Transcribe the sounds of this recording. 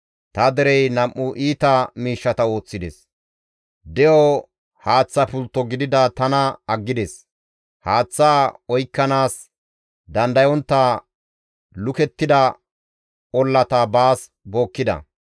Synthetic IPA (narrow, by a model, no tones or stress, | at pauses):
t̪ɐd̪ɛɾɛjnɐmʔːʊʔiːt̪ɐmiːʃːɐt̪ɐo̞ːt͡sːɪd̪ɛs | d̪ɛjɔ | haːt͡sːɐpʊlt̪ːɔɡɪd̪ɪd̪ɐt̪ɐnɐɐɡːɪd̪es | haːt͡sːaːɔjkːɐnaːs | d̪ɐnd̪ɐjɔnt̪ːɐ | lʊkɛt̪ːɪd̪ɐ | ɔlːɐt̪ɐbaːs | bo̞ːkːɪd̪ɐ̰